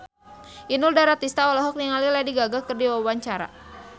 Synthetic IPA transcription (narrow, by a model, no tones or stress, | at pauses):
ʔinʊldaɾat̪ist̪aɔlɔɦɔk̚niŋaliladiɡaɡakərdiwawaɲt͡ʃaɾa̰